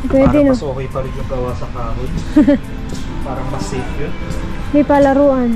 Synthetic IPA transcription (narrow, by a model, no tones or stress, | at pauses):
pwɛːd̪ɛnsoːkɐjpɐɾɪɡ̪ɐɡɐwasɐkaːɦʊd̪ | paːɾɐŋmɐsɛfjon | mɐjpaːlɐɾuːʔɐn